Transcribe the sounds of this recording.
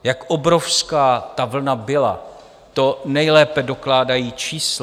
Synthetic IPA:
jakʔobɾo̞fskaːt̪avl̩nabɪla̰ | t̪o̞nɛjlɛːpɛdo̞klaːdajiːt͡ʃiːs

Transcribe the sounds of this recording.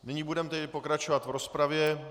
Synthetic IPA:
nɪɲiːbudɛmt̪ɛdɪpo̞kɾat͡ʃo̞vat̪vɾo̞spɾavjɛ

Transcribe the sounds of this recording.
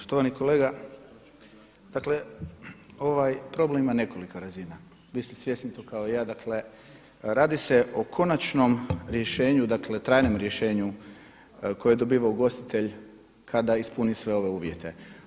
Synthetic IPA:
po̥ʃt̪oʋaniko̞leɡa | d̪̥akle̞ | o̞ʋajpɾo̞blemimane̞ko̞likoɾazina | ʋiːst̪isʋjesnit̪okaoijaːd̪akle̞ | ɾaːd̪iseʔo̞kʰo̞nat͡ʃno̞mɾje̞ʃe̞ːɲud̪akle̞t̪ɾaːjnomɾje̞ʃe̞ːɲu | ko̞jjed̪o̞biːʋaoɡo̞st̪i̥t̪ʰe̞ʎ | kʰad̪aispunisʋe̞o̞ʋe̞uːʋjet̪e̞

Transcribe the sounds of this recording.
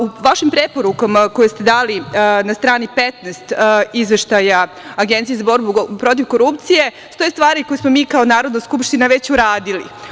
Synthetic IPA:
uʋaʃimpɾepo̞ɾukamako̞jest̪e̞d̪aːlinast̪ɾaːnipet̪nɛst̪izʋe̞ʃt̪ajaː | ɡent̪sijezabo̞ɾbupɾo̞t̪̬iʋko̞ɾupt̪sije̞ | st̪o̞jest̪ʋaːɾiko̞jesmo̞miːkaonaːɾo̞d̪naskupʃt̪inaʋe̞t͡ɕuɾaːd̪ilḭ

